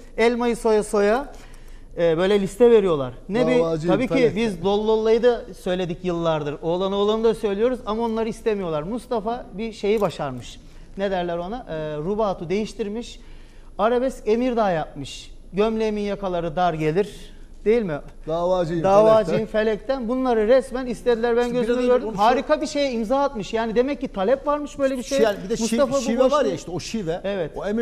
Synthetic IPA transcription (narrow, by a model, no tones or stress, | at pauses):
ɛlʲmajɯso̞jaso̞ja | ɛːbø̞jlʲɛlʲist̪ʰɛve̞ɾijo̞lˠaɾ̥nɛbit̪ʰabiːibizlˠolˠːolˠːajɯd̪asø̞jlʲe̞d̪icjɯlˠːaɾd̪ɯɾo̞ːlˠanɯolˠanɯd̪asø̞jlʲijo̞ɾuzamao̞nlˠaɾɯist̪ʰemijo̞lˠaɾmust̪afabiʃe̞jibaʃaɾmɯʃ | ned̪æɾlʲɛɾo̞naʔɾubaːt̪ʰud̪e̞jiʃt̪ʰiɾmiʃ | aɾabɛse̞miɾd̪aːjap̚mɯʃ | ɟømlʲeminjakʰalˠaɾɯd̪aɾɟe̞lʲiɾ | d̪̥e̞jilʲmi | d̪aːvaːd͡ʒɯjd̪aːvaːd͡ʒɯjjɯmfe̞lʲɛc̚t̪ʰænbunlˠaɾɯɾɛsmænist̪ʰe̞d̪ilʲæɾbænɟøzynyɟø̞ɾd̪ymmhaːɾikʰabiʃe̞jɛimzaːat̪mɯʃjaːnid̪e̞mɛcːit̪ʰalʲɛpvaɾmɯʃbø̞jlʲebiʃejanbid̪ɛmust̪afabvɾjaiʃt̪ɛoʃivɛevɛt̪oemi